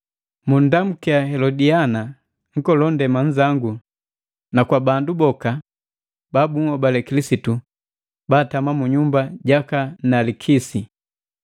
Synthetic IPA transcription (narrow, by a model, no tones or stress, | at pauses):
mun̩dam̩kiaɦɛlɔdiana | ŋ̩kɔlɔndɛmaɲd͡ʒaŋɡu | nakwabandubɔka | baːbuŋ̩hɔbalɛkilisitu | baːtamamuɲumbaɟakanalikʰisi